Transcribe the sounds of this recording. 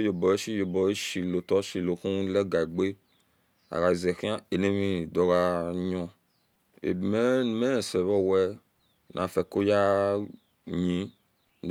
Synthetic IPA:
jo˨bɔ˨je˦ʃi˦jo˨bɔ˨je˦ʃi˨lo˨tɔ˦ʃi˨lo˨xũ˦lɛ˦ɡa˨i˨ɡ͡be˦ | a̰˨ɣa˨zɛ˨xĩ˦ã˦e˨ne˦mĩ˦˨dɔ˨ɣa˧ɲɔ̃˧ | ḛ˨mɛ˦˨mɛ̃˦˨sɛ˨βɔ˦wɛ˦ | nʔã̰˨fɛ˨ko˦ja˦ | ɲĩ˨˦

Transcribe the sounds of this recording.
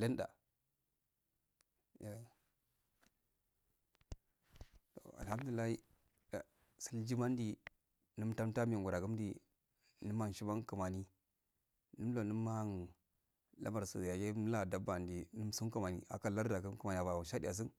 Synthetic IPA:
le˦nda̰˨ | ja˨ | to̰˨a̰˨lha˦m˦du˨li˨lːa˦hi˦ | a˨ | si˦ld͡ʒi˦ma˦n˦di˦˨ | nə˦mta˦mta˦mi˨ŋ˨ɡu˨ɾa˨ɡu˦m˦dḭ˨ | nɨ˦ma˦n˨ʃi˦ba˦nku˨ma˨ni˦ | nɨ˦m˦lo˨nə˦ma˦a˦n | la̰˦ma˨ɾsṵ˨ja˨je˦la˨da˦ba˨ndi˨nu˦m˦su˦ŋ˦ka˦ma˨nḭ˨a̰˨ka˦la˦ɾda˨ɡə˦m˦ku˨ma˨ni˨a˨ba˨wa˨ʃa˦dḭ˦˨a˨s̬i˦n

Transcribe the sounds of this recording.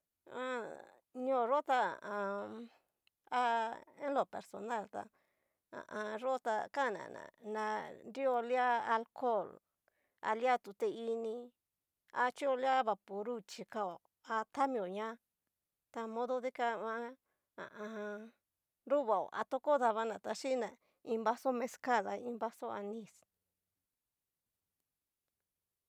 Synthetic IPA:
ã̰˦˧ | ɲõ˦˧˨ɾo˦t̪a̰˧˨ã˧ | a˦e˦nlo˨pe˨ɾso˨na˦˨lt̪a̰˧ | ã̰˨ʔã˧ʐo˦t̪a˧ka˦˨nã̰˨nã̰˨nã˧nɾi˦o˧lja˦a˧lko˦˨l | a̰˧lja˦t̪u˨t̪e˧i˧nĩ˧ | a˧t͡ʃi˦o˧lja˦βa˨pu˨ɾu˦t͡ʃi˧ka˧o˨ | a˧t̪a˦mĩ˧o˨ɲã˦ | t̪a˧mõ˦ðo˦ði˦ka˧ã˦ | a̰˨ʔã˧ | ɾu˦βa˨o̰˨ʔa̰˧t̪o˦ko˦ða˧βa˧nã˨t̪a˧ʃi˦nã˨ | ĩ˧mba˦so˦mẽ˧ska˦˨ða˧˨ĩ˧mba˦so˦a˧nĩ˧s

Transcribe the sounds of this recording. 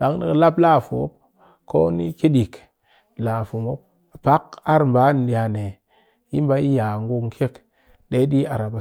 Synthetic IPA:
da˨ŋ˦dḭ˦˨kla˦bla˦˨fu˨o˦p̚ | ko˦nḭ˦ki˦di˨k | la˨fu˨mo˦p̚ | b̥a˦ka˦ɾm˨ba˨˦n˨di˨a˨ne˨ | ji˦mba˦i˦ja˨ŋɡu˦ŋkʰe˦k | de˦ɗi˦a˨ɾa˨ba˨

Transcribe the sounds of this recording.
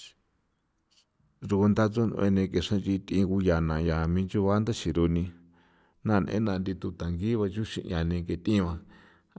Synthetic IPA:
ʐu˧ku˧nd̪a˧t͡su˦nṵ̃˧ʔḛ˧nẽ˧ke˨ʂã˦t͡ʃi˧t̪ĩ˧ku˧ja˨nã˨ja˨mĩː˧t͡ʃu˦βa˦nd̪a˦ʃi˨ɾu˧nĩ˧ | nã˦˨nḛ̃˦nã˧nd̪i˧t̪u˧t̪a˨ŋɡi˦βa˧t͡ʃu˦ʃḭ̃˧ʔja˨nẽ˧ke˨t̪ĩ˦˧βã˧

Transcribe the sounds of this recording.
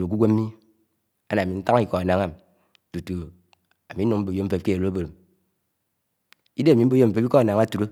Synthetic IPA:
ɾo˨k̬u˦ɡʷe˦m̩˦mi˦ | a˦na˨mi˨n̩˦ta˦ŋ˦i˦kɔ˨a˨na˨ŋa˦ | tu˨tu˨ | a˨mi˨˦no˨ŋm̩˦bo˨jo˦m̩˦fe˦p̚ke˦e˨ɾo˦bo˨ɾm | i˦de˦a˨mi˨m̩˦bo˦jo˦m̩˦fe˦pi˦kɔ˦a˨na˨ŋa˦tu˨ɾo˦

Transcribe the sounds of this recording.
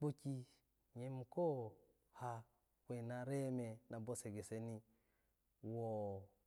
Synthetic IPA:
k͡po˦ki˦ | ɲe˦m˨ko˦ | ha˦ | kʷe˨na˦ɾe˦me˨na˨bo˦se˨ɡe˨se˦ni˦ | wo˨

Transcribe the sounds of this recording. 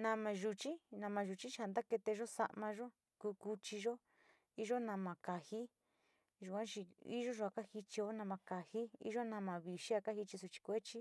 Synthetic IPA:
nã˧mã˧ʒu˧t͡ʃi˦nã˧˨mã˧ʒu˨t͡ʃi˦t͡ʃha˧nd̪a˦ke˧t̪e˧ʒo˦sa̰˧ʔmã˧ʒo˦ | kuː˧˦ku˧t͡ʃi˧ʒo˦ | i˦ʒo˦nã˧mã˨ka˨hi˦ | ʒu˨kʷã˦t͡ʃi˧ḭ˦ʒo˦ʒo˧a˧˨ka˦hi˧t͡ʃi˧o˦nã˧mã˧ka˨hi˦ḭ˦ʒo˦nã˧mã˨βi˨ʃi˦a˧ka˦hi˧t͡ʃi˧su˧t͡ʃi̥˧kʷe˦t͡ʃi˦

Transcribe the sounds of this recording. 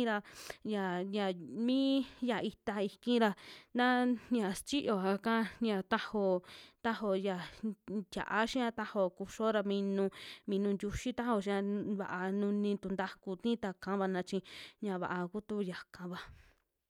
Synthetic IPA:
ɾa˧ja˨ja˧mĩ˦ja˨i˧t̪a˧i˧kĩ˦ɾa˧nã˦ɲã˨st͡ʃi˦ʔo˨a˧kã˦ɲã˧t̪a˦ho˧t̪a˦ɦo˧ja˨t̪ʲja̰˨ʔa˦ʃĩ˦ã˧t̪a˦ho˧ku˧ʃo˦ɾa˧mĩ˧nũ˧mĩ˧nũ˧nd̪ʲu˧ʃi˦t̪a˦ho˧˨ʃ̬ĩ˧ã˧βa̰˨ʔa˧nũ˧nĩ˧t̪u˧nd̪a˦ku˧t̪ĩ˦t̪a˧kã˨˦βa˧nã˧t͡ʃĩ˧ɲã˧βa̰˨ʔa˧ku˦t̪u˦ja˨kã˧βa˧

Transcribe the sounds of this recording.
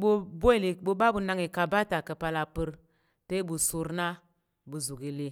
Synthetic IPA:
ɓo˦bo˦i˨li˨ɓo˦ɓa˦bu˨na˦ŋi˨ka˨ba˦ta˨kə˨pa˦la˨pɨ˦ɾ | te˦bu˨su˨ɾna˦ | bu˨zu˨ɡi˨li˦

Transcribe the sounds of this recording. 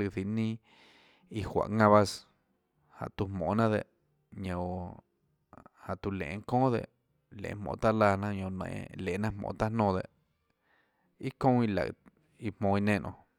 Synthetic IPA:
ɨ˧θi˧nĩː˦ | i˧hwʷa̰˨ʔŋã˧βa˦s | ha̰˨ʔt̪u˧hmõ̰˨nã˦d̪e˨ʔ | ɲõ˧˨ | ha˨ʔt̪u˧lḛ̃˨˧ŋ˦kõː˦d̪ḛ˧˨ʔ | lḛ̃˨˧hmõ̰˧˨t̪a˦laː˧nã˦˧ɲõ˧nḛ̃˧˨le˨˦nã˦mõ̰ː˧˨t̪a˦nõː˧d̪e˨ʔ | i˦kõ˦i˧la̰˨ | i˧mõː˧i˧nẽ˦˨nʔõ̰˧˨

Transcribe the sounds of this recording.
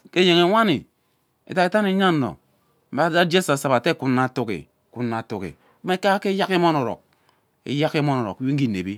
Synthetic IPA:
ke˦je˨ŋe˨ŋʷa˦ni˨ | ḛ˨ta˨˦e˨ta˦ne˨˦ɲa˦n̩˨no̰˨ | m̩˨˦ba˦da˦d͡ʒe˦sa˨sa˨ba˨te˦ku˨nːa˨tu˦kḭ˨ | ku˨˦nːa˨tu˦kḭ˨˦ | me˦ka˦ke˦ja˦ki˦mo˦no˨ɾɔ̰˨k̚ | ḛ˨ja˦ki˦mo˦no˨ɾɔ̰˨kwi˦ŋ̩˦i˦˨nḛ˨bi˦

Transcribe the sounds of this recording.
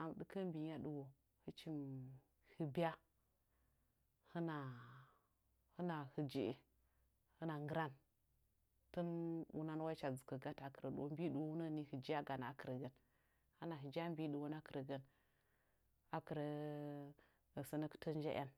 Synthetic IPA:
a˨m˨ɗɨ˦kə˦m˦bi˨ɲa˦ɗu˦wo˨ | hɨ˦t͡ʃi˦m | hɨ˦bi˦a˦ | hə˦na˨ | hə˦na˨hə˨d͡ʒi˦e˨ | hɨ˦na˨ŋɡɨ˦ɾa˦n | tə˦nwṵ˦na˦n˦wa˦t͡ʃa˨d͡zu˨kə˨ɡa˦ta˨kə˨ɾə˨ɗwm˦bi˦ɗu˨wwu˦nə˦˨ni˦hɨ˨d͡ʒi˦a˦ɡa˨na˨a˨kə˨ɾə˨ɡə˦n | ha˦na˨ɦi˨d͡ʒa˦m˦bi˦ɗu˨wo˦n˦a˦kə˨ɾə˨ɡə˦n | a˨kə˨ɾə˨ | sə˦nə˦kə̥˦tə˦n˦d͡ʒa̰˦ʔa̰˦n

